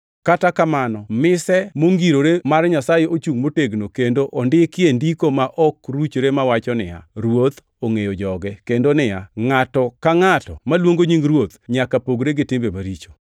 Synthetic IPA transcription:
katakamanɔmɪsɛmoŋɡiɾoɾemarɲasajeʔot͡ʃuŋmoteɡnokendoʔɔndɪkɪendikomaʔɔkɾut͡ʃɾemawat͡ʃɔnɪ̰ja̰ɾwot̪ | oŋejɔd͡ʒɔɡɛkendonɪjaŋatɔkaŋatɔmalwoŋɡoɲiŋɾwot̪ɲakapoɡɾeɡɪtɪmbemaɾit͡ʃo̥

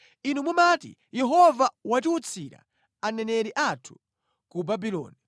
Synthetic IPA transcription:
inumumatḭ | jɛɦɔvawatiut͡sʰiɾa̰ | anɛnɛɾiʔatʰu̥ | kubabilɔ̰ːni

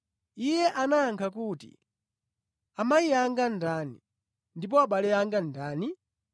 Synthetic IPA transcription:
ijɛʔanaːŋkʰakuːtḭ | amajiaŋɡandanḭ | ndip̬ɔaɓalɛaŋɡandaːni

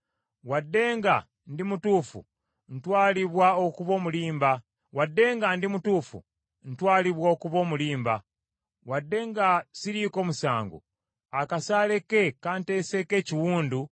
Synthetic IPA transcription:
wadːe̞ːŋɡa | ndimutuːfṵ | n̩twaːliβwaokuβo̞ːmuliːmba | wadːe̞ːŋɡandimutuːfṵ | n̩twaːliβwookuβo̞ːmuliːmba | wadːe̞ːŋɡasiɾiko̞ːmusaːŋɡo̰ | akasaːle̞ke̞kante̞seke̞ːciwuːndu

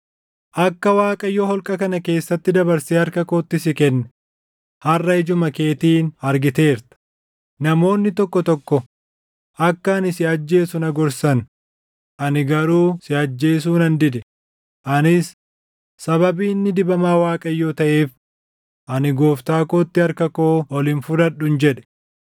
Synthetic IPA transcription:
ʔɐkːɐwaːkʼɐjːoːhɔlkʼɐkɐnɐke̞ːsːɐt̪ːɪd̪ɐbɐɾseːɐɾkɐkoːt̪ːɪsɪkɛnːɛ | hɐrːɐɪd͡ʒʊmɐke̞ːt̪iːnɐɾɡɪt̪e̞ːɾt̪ɐ̥ | nɐmo̞ːnːɪt̪ɔkːɔt̪ɔkːɔ | ʔɐkːɐːnɪsɪɐd͡ʒːe̞ːsʊnɐɡɔɾsɐn | ʔɐnɪɡɐɾuːsɪɐd͡ʒːe̞ːs̬uːnɐnd̪ɪd̪ɛ | ʔɐnɪs | sɐβɐbiːnːɪd̪ɪbɐmaːwaːkʼɐjːo̞ːt̪ɐʔe̞ːf | ʔɐnɪɡoːft̪aːkoːt̪ːɪɐɾkɐko̞ːɔlɪnfʊd̪ɐᶑʊnd͡ʒɛᶑɛ̥

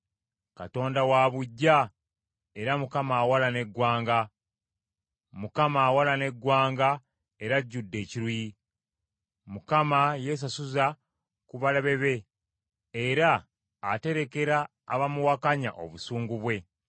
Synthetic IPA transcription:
kato̞ːndawaβuɟːa | e̞ɾamukamaːwalane̞ɡwaːŋɡa | mukamaːwalane̞ɡwaːŋɡa | e̞ɾaɟːudːe̞ːciɾuji | mukamaje̞s̬asuza | kuβalaβe̞βe̞ː | ɾaː | te̞ɾe̞ke̞ɾa̰ː | βamuwakaɲa̰ʔo̞̰βusuːŋɡuβwe̞

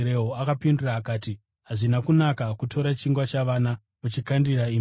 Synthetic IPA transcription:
ɾeɦoakapinduraːkaːti | ɦaʐinakunakakutʰo̞ɾat͡ʃiŋɡwat͡ʃaʋana | mut͡ʃikandirai

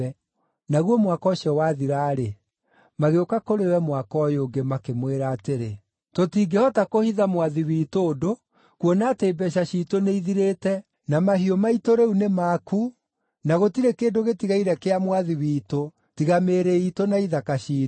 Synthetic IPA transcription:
ɛ | naɣwɔmwakɔɕɔwaðiɾaːɾe | maɣeokakoɾewɛmwakɔjoːɡemakemweɾaːteɾe | totiːɡehɔtakohiðamwaðiwiːtoːdo | kwɔnaːteːbɛʃ̬aɕitoneiðiɾeːtɛ | namaɦiɔmaitoɾeunemaku | naɣotiɾekeːdoɣetiɣaiɾɛkeamwaðiwiːto | tiɣameːɾeitonaiðakaʃiː

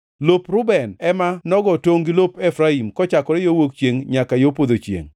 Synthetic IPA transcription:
lopɾʊbɛnɛmanɔɡɔtoŋɡilopɛfɾaimkɔt͡ʃakɔɾɛjowok̚t͡ʃjeŋɲakajopod̪ot͡ʃjḛŋ

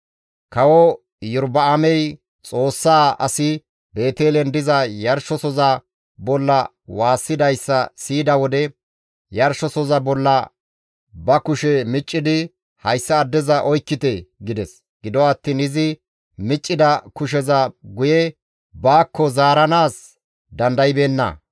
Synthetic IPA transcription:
kɐwɔ | jʊɾbɐɐmɛj | t͡sʼo̞ːsːaːɐ̰sɪ | be̞ːt̪eːlɛnd̪ɪzɐjɐɾʃɔsɔzɐ | bɔlːɐ | waːsːɪd̪ɐjsːɐsiːd̪ɐwɔd̪ɛ | jɐɾʃɔsɔzɐbɔlːɐ | bɐkʊʃɛmɪt͡ʃʼːɪd̪ɪ | hɐjsːɐːd̪ːɛzɐʔɔjkːɪt̪ɛɡɪd̪ɛs | ɡ̥ɪd̪ɔwɐt̪ːiːnɪzɪ | mɪt͡ʃʼːɪd̪ɐkʊʃ̬ɛzɐɡʊjɛ | baːkːɔzaːɾɐnaːs | d̪ɐnd̪ɐjɪbeːnːɐ̰

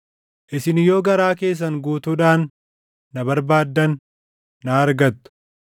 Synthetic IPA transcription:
ʔɪsɪnɪjoːɡɐɾaːke̞ːs̬ːɐŋɡuːt̪uːᶑaːnː | ɐbɐɾbaːd̪ːɐnː | aːɐɾɡɐt̪ːʊ̥

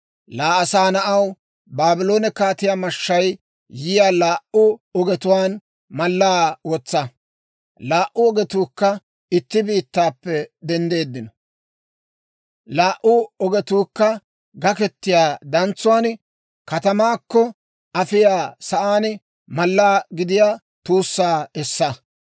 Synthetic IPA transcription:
laːɐsaːnɐʔɐw | baːbɪlo̞ːnɛkaːt̪ɪjaːmɐʃːɐj | jɪjaːlaːʔʊɔɡɛt̪ʊwaːn | mɐlːaːwɔt͡sːɐ | laːʔʊɔɡɛt̪uːkːɐ | ɪt̪ːɪbiːt̪ːaːpːɛd̪ɛnd̪e̞ːd̪ːɪnɔ | laːʔʊɔɡɛt̪uːkːɐ | ɡɐkɛt̪ːɪjaːd̪ɐnt͡sːʊwaːn | kɐt̪ɐmaːkːɔ | ɐfɪjaːsɐʔaːn | mɐlːaːɡɪd̪ɪjaː | t̪uːsːaːɛsːɐ

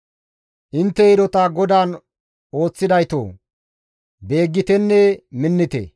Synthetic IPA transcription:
ʔɪnt̪ːɛɪɾɔt̪aɡɔd̪aːn | o̞ːt͡sːɪd̪ɐjt̪o̰ː | be̞ːɡːɪt̪ɛnːɛmɪnːɪt̪ḛ

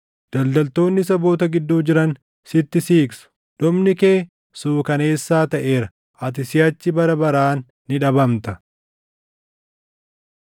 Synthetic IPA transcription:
d̪̥ɐld̪ɐlt̪o̞ːnːɪs̬ɐbo̞ːt̪ɐɡɪd̪ːuːd͡ʒɪɾɐn | sɪt̪ːɪsiːksʊ̥ | ᶑ̪ɔbnɪke̞ː | suːkɐne̞ːsːaːt̪ɐʔe̞ːɾɐ | ʔɐt̪̬ɪsɪjɐt͡ʃːɪbɐɾɐbɐɾaːnː | ɪᶑɐbɐmt̪ɐ

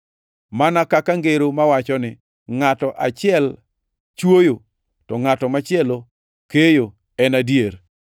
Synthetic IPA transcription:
manakakaŋɡeɾomawat͡ʃɔnɪ | ŋatɔʔat͡ʃɪɛl | t͡ʃwojo | tɔŋatɔmat͡ʃɪɛlo | kejo | ɛnadjeɾ

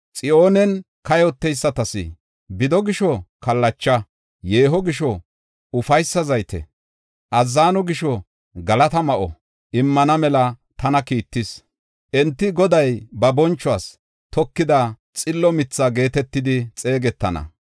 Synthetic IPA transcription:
t͡sʼɪʔo̞ːnɛn | kɐjɔt̪ːɛjsːɐt̪ɐsɪ̰ | bɪd̪ɔɡɪʃɔkɐlːɐt͡ʃːɐ | je̞ːɦɔɡɪʃɔ | ʊfɐjsːɐzɐjt̪ɛ̰ | ʔɐzːaːnɔɡɪʃɔ | ɡɐlɐt̪ɐmɐʔɔ | ʔɪmːɐnɐmɛlɐt̪ɐnɐkiːt̪ːɪs | ʔɛnt̪ːɪɡɔd̪ɐjbɐbɔnt͡ʃːɔaːs | t̪ʰɔkːɪd̪ɐ | t͡sʼɪlːɔmɪt͡sːaɡe̞ːt̪ɛt̪ːɪd̪ɪt͡sʼe̞ːɡɛt̪ːɐnɐ̰

